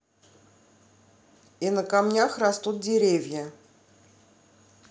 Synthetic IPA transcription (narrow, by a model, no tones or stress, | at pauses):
inəkamnʲaxrɐst̪ut̪̚dʲɪɾʲevʲjə